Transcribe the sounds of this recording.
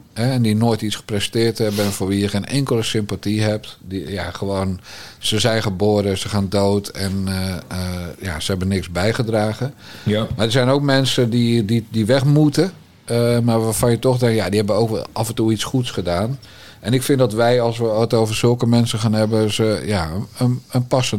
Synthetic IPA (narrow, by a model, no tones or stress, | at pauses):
hɛɛndinoːjtisχə̥prɛstɪːrthɛbənfoːrʋijəxeːnʔɛŋkəlˠəsɪmpatiɦɛp̚tdija̰χəʋoːnsəzɛjnχəboːɾəsəxaːndoːtʰɛn | ja̰səɦɛbənɪksbɛjχədraːɣəmadəsɛjnowk̚mɛnsəndididiʋɛχmutə | marʋaːfɑnjətɔxdɛŋktjadihɛbəʋəowkʋɛ̰lˠʔafəntuitsχutsχədaːn | ʔɛnɪkfɪndɔtʋɛjɑlˠsʋəətowvərz̥ɵlˠkəmɛnsəχaːnɦɛbəsəjaəənənpɑsən